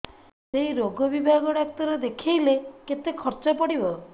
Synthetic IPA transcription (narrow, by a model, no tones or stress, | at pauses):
seɦiɾoɡɔbibʱaɡɔɽak̚t̪ɔɾɔd̪ekʰejleket̪ekʰɔɾt͡ʃɔpɔɽibɔ